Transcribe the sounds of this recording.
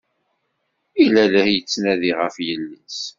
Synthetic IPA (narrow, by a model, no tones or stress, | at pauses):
ilæləhjət͡sːnæðiʁəfjəlːis